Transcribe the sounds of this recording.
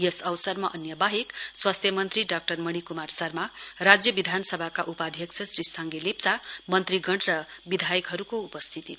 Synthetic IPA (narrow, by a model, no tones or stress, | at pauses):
jesʌwsʌrmaʔʌnjʌbaɦekswast̪ʰjʌmʌnt̪riɖak̚ʈʌrmʌɽ̃ikumarsʌrmarad͡zjʌbid̪ʱanʌsʌbʱakaʔupad̪ʱjʌksʰʌsɾistʰaŋɡelepsamʌnt̪riɡʌɳrʌbid̪ʱajʌkɦʌɾukoupʌst̪ʰit̪i